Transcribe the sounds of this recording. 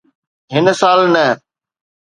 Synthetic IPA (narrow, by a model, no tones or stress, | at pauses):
ɦɪnsaːlnəː